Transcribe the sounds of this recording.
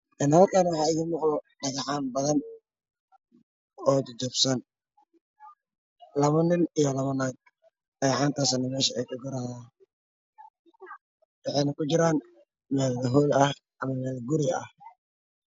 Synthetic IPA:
ʔɛnhɐlkʰaːnwɑħɑːɪðiːnmʊqɔɖɐɣɑħaːnbɐðɐn | ɔːd̪d͡ʒɔbsɐn | lɐβɐnɪnijɐlɐβɐnaːɡ̚ | ɐɣħɑːnt̪ʰaːsɐnɐmɛːʃɐɛjkʰɐɡʊɾaha | wɑħɛjnɐkʰʊt͡ʃɪɾaːn | mɛːðɐðɐɦɔːlɐh | ʔɐmɐmɛːðɐɡʊɾɪɐ̰h

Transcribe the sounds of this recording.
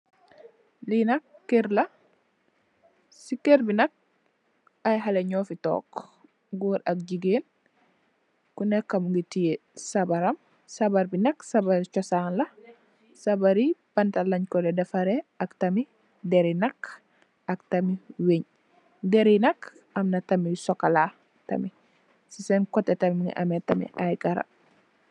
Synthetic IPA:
linɐkːiɾla | sikːeɾbinɐk̚ | ajɦaleɲɔːfitɔ̰ːk | ɡuɾɐk̚ɟiɡeːn | kunɛkːɐmuŋɡitijesabaɾɐm | sabaɾbinɐksabaɾit͡ʃɔsanlɐ | sɐbɐɾib̥ɐntɐlɐɲkɔlɛdɐfɐɾeɐktɐmi | deɾinɐk | ɐktɐmiweɲ | deɾinɐk | ɐmnɐtɐmisɔkɐla | tɐ̰mi | sisɛnkɔtːɛtɐmimiŋḭʔɐ̰metɐmḭʔajkɐɾɐ̰

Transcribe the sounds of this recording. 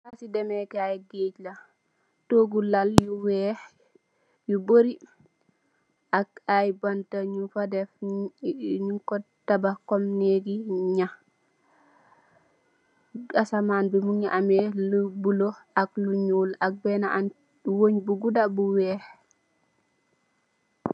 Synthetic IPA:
ʔasidɛmɛkajɡeːd͡ʒla | toɡulaljuwɛ | juboɾi | ʔak̚ajbantaɲufadɛf | ɲukɔ | tabakɔmneɡiɲa | asamaːnbimuŋiʔamɛlubuloʔakluɲuːlak̚bɛnaʔan | woɲbuɡudabuwɛːh

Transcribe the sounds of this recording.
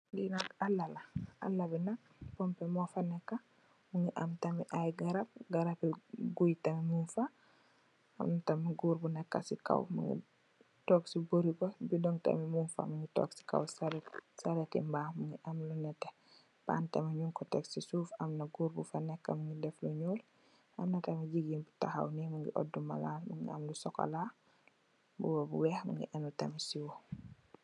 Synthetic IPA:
ŋɡinɐkalːalaʔa̰lːabinak̚pɔmpɛmɔfanɛkːa | muŋiʔa̰mtɐmiʔajɡaɾap̚ɡaɾapɛɡujtɐmimunfa | amnatɐmiɡuːɾbunɛkːa̰sika̰wmṵŋḭ | tɔːksiboɾikɔbidɔŋta̰mimunfa̰muŋitɔ̰ksi̥ka̰wsaɾsɐɾɛtḭmbaːmuŋɡiʔɐmlunɛtːɛ | b̥a̰ːntɛmɐɲuŋkɔtɛksisuːfɐmnɐɡuːɾbufɐnɛkːɐmɐŋɡidɛfluɲɔːl | ʔɐmnɐtɐmiɟiɡiːnbutaxa̰wnimuŋɡḭʔɔ̰dːumɐ̰laːlmuŋɡḭɐ̰mlusɔkɐ̰laː | bubɐbuwɛxmɐ̰ŋɡḭʔɛnutɐmisiwɔ

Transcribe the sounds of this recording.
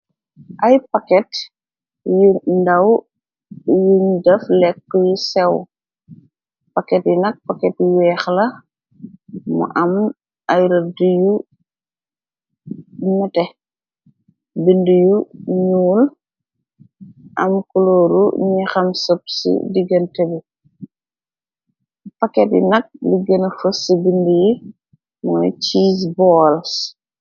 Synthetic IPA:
ʔɐjpɐkɛt | jundɐw | juɲdɐflɛkːjusɛw | pɐkɛtjinɐk̚pɐkɛtwɛːxlɐ | mṵʔɐm | ɐjɾɐduju | ɲutɛ | bindujuɲuːl | ʔɐmkulɔːɾuɲɛxɐmsɔp̚sḭdiɡɐntebi | pɐkɛtjḭnɐk̚liɡɐnɐfəsibinduji | mɔ̰jt͡ʃiːs̬bɔːls

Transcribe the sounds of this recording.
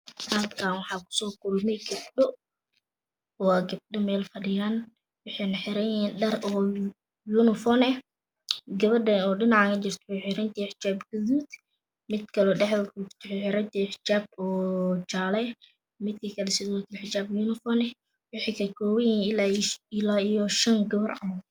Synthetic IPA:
hɐdkʰaːnwɑħɑːkʰʊ̥sɔːkʰʊlmɛjɡɐb̚ɗɔ | waɡɐb̚ɗɔmɛːlfɐɖɪjaːn | wʊħɛjnɐħɪɾɛjɛnɖɐrɔː | junɪfɔnɛ | ɡɐβɐɖɐɔːɖɪnɑʕɑkʰɐt͡ʃɪrt̪ʰʊ̥ħʊħɪɾɐnt̪ʰiħɪt͡ʃaːbɡɐðuːd̪ | mɪd̪kʰɐlɔːɖɛħðɐɡut̪ʰʊħʊħɪɾɐnt̪iɪħt͡ʃaːb̚ɔːt͡ʃaːlɛj | mɪd̪kʰikʰɐlɛsɪðuk̪ʰɪħɪt͡ʃaːbjunɪfɔnɛ | wʊħikʰɐkʰɔːwɛjɛlaɪlaːijɔʃɐŋɡɐβɐrʕɑ̰mɐ

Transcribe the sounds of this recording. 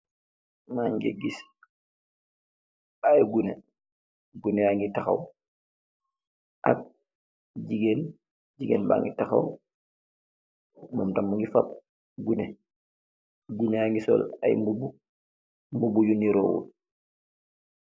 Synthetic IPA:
maŋɡḛɡis | ajɡunḛ | ɡunɛaŋɡitaxa̰w | ʔa̰k̚ | ɟiɡen | ɟiɡenba̰ŋɡitaxa̰w | mamtamːuŋɡifap | ɡune | ɡuneaŋɡisɔ̰la̰jmbubu | mbubujuniɾɔːwṵl

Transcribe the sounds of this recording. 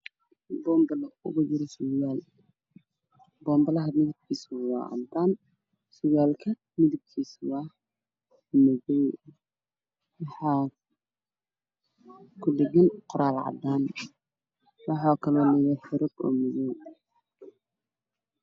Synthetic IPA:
bɔːmbɐlɔʊ̰ɣʊd͡ʒɪɾɐsʊjaːl | bɔːmbɐlɐɦɐmɪðɪb̚kʰiːswa̰ʔɐ̰mt̪ʰaːn | sʊjaːlkʰɐ | mɪðɪb̚kʰiːswa | mɔðɛj | wɑħɑː | kʰʊd̪ɛɡɐnqʊɾaːlʕɑ̰d̪aːn | wɑħɑːkʰɐlɔːnɪɣɛħɪɾɔɡɔ̰ːmɔðɛj

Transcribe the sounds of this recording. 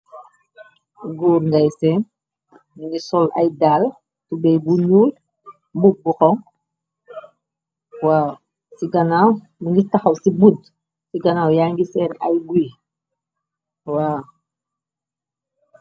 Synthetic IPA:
ɡuːɾŋɡajsɛn | minisɔla̰jdal | tubɛjbuɲuːl | mbubuxɔŋ | waː | siɡɐnaːw | munitaxawsibud | siɡɐnaːwjaŋɡisɛːnajɡuj | waː

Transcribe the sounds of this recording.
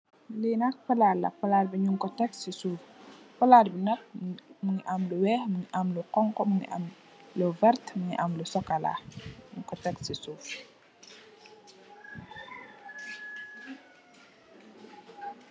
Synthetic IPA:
linak̚pɐlalɐ̰pɐlaːrbiɲuŋkɔtɛksisuːf | pɐlaːdbinɐk̚muɲiʔamluwɛːhmuɲiʔamluqɔŋkɔmuŋḭʔa̰m | lɔvɛrtmuɲḭʔamlusɔkala̰ɲuŋkɔtɛksisuːf

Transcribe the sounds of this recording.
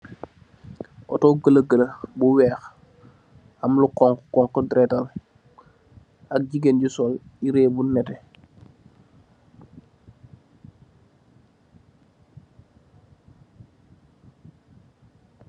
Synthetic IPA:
ʔɔ̰tɔɡələɡələbuwɛːx | amlukɔŋkkɔŋkdɾɛtal | ak̚ɟiɡenɟusɔliɾeːbunːɛtɛ

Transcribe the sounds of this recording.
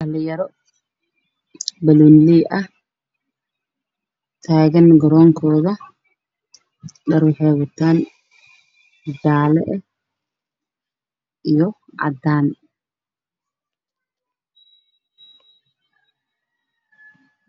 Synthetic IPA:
ɐlɪjɐɾɔ | bɐlunliːʔɐh | t̪ʰaːɣɐnɡɐɾɔːŋkʰɔːðɐ | ɖɐɾʊħɛːβɐt̪ʰaːn | d̪aːlɛ̰ʔɛ | ijɔ | ʔɐ̰d̪aːn

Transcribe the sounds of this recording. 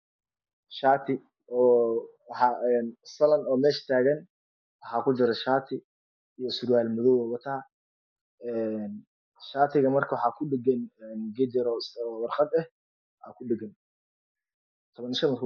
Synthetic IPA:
ʃaːt̪ʰɪ | ɔːwħɑɛːnsɐlɐnɔːmɛːʃt̪ʰaːɣɐn | wɑħɑːkʰʊt͡ʃɪɾɛʃaːt̪ʰɪ | ijɞsʊɾwaːlmʊðɔwɔːwɐt̪ʰaː | ɛːn | ʃaːt̪ʰɪɣɐmɐrkʰɐwɑħɑːkʰʊɖɪɡɐnɛnɡɛd̪ɛɾɔswɑrqɑd̪ɛh | ʔa̰ːkʰʊɖɪɡɐn | t̪ʰɔβɐnʃɐmɐr

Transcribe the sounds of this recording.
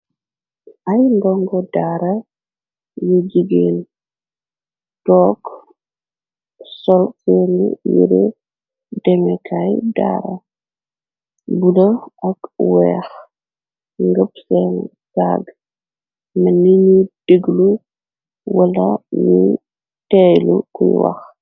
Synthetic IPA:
ʔajnbɔŋɡɔdaːɾɐ | jud͡ʒiɡen | tɔːk | sɔlsɛnijḭɾḭ | dɛmɛkʰajda̰ɾɐ̰ | budɐɐkwɛːx | ŋɡəpsɛn | sa̰ɡ | mɐniɲud̥eɡlu | wɐlɐju | tɛjlukuj̰wɐ̰x

